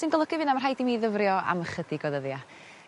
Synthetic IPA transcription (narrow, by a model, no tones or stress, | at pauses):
sɨnɡəlˠəɡɪvɪnamarɦajdimiðəvrjɔa̰məχədɪɡɔðəðja